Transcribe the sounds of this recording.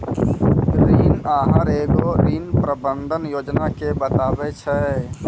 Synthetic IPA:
ɾinaɦəɾeɡoɾinpɾəbənd̪ʱənjod͡ʒnakebət̪abɛt͡ʃʰɛ

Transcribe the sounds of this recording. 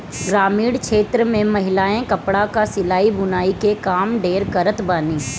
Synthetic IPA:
ɡɾaːmiːɽkʃʰeːt̪ɾəmẽmɐɦɪlaːẽkɐpɽakasɪlaːibʊnaːikekaːmɖeːɾkɐɾət̪baːniː

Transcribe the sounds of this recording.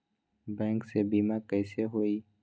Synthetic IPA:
bɛ̃ːŋksebiːmakɛːseɦoːiː

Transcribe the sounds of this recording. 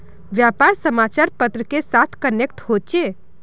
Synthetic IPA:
ʋjapaɾsəmat͡ʃaɾpət̪ɾəkesat̪ʰkənekʈhot͡ʃe

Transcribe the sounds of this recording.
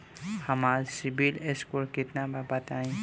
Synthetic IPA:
həmaɾsibileskoɾkɪt̪nabəbət̪aĩ

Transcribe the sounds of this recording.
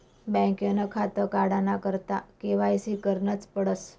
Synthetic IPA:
bɛ̃ŋkjonakʰat̪əkaɽanakəɾt̪akeʋajsikəɾnat͡spəɽəs

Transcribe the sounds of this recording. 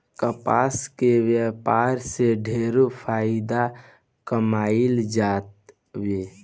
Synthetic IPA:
kəpaːskewjəpaːɾseɖʱeɾupʰaːɪd̪a | kəmaːild͡ʒaːt̪ | we

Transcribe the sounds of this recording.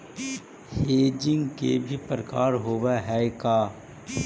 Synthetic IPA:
heːd͡ʒɪ̃ŋɡkḛbʱipɾəkaːɾɦoːwaɦɛkaː

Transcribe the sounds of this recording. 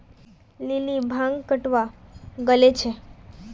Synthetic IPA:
linibʱãŋɡkəʈʋaɡəlet͡ʃʰe

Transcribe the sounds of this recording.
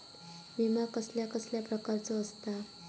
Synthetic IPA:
mimakəsljakəsljapɾəkaɾt͡sɔəst̪a

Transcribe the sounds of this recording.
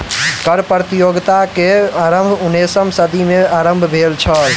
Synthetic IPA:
kəɾpɾət̪ijoɡt̪akeaɾəmbʱunesəmsəd̪imeaɾəmbʱbʱelt͡ʃʰəl

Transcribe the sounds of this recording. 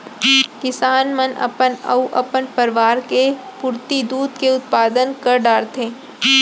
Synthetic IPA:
kɪsaːnmɐnʔɐ̰pənɐ̰wʔɐ̰pənpɐɾʋaːɾke | puːɾt̪id̪uːd̪keʊt̪paːd̪ənkɐɾɖaːɾt̪ʰẽː

